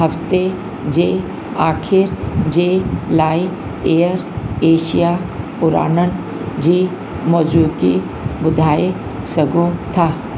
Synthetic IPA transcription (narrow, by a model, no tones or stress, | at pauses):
ɦɐft̪e | d͡ʒeː | aːkʰɪɾd͡ʒeːlaːi | eːəɾeːʃija | ʊɾa̰ːnən | d͡ʒiː | mɔːd͡ʒuːd̪ɡi | bʊd̪ʱaːe | sɐɡʱõt̪ʰaː